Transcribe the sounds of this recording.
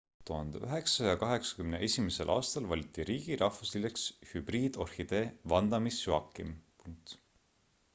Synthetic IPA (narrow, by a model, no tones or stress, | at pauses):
t̪uhɑnd̪eyɦe̞ksɑjɑkɑɦe̞ksɑ̥kymneʔe̞sʲimese̞lʔɑ̰ːst̪ɑlvɑlʲit̪ːˑiɾiːɡ̥iɾʔɑhvuslilekshyb̥riːd̪̥o̞rhid̪̥e̞vɑnd̪ɑmisjuɑkːˑimpuŋk̚t̪